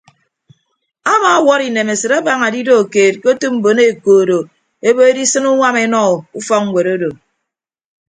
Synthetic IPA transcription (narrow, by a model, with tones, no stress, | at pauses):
a˦ma˦wɔ˦ɾi˨ne˨me˨sɨ˨ɾa˦ba˨ŋa˨di˦do˦˨keː˨t̚ko˦tu˦m̩˨bo˨ne˦˨koː˨ɾo˨ | e˦bo˦e˦di˦sɨ˦nu˦ŋʷa˦me˦nɔ˦˨u˦fɔ˦k̚ŋ̩˨wʷe˨ɾo˦do˨